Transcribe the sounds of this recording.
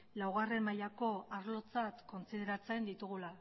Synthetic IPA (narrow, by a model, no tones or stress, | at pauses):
lawɣare̞majako̞aɾlo̞t͡sat̪ko̞nt͡siðe̞ɾat͡se̞nd̪it̪uɣ̞ula